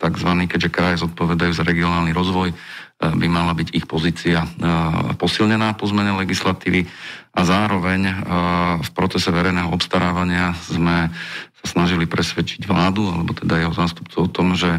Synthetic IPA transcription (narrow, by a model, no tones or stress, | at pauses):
t̪aɡzʋaniːkɛɟʒɛkɾajazɔt̪̚pɔʋɛd̪ajuːzaɾɛɡiɔnaːlniɾɔzʋɔj | bimalabiɟixpɔziːt͡sia | pɔsilɲɛnaːpɔzmɛɲɛlɛɡislat̪iːʋiʔazaːɾɔʋɛɲ | fpɾɔt͡sɛsɛʋɛɾɛjnɛːɦɔɔpst̪aɾaːʋaɲɪazmɛsasnaʒilipɾɛsʋɛt͡ʃi̥ɟʋlaːd̪ualɛbɔt̪ɛd̪ajɛɦɔzaːst̪upt͡suʊɔt̪ɔmʒɛ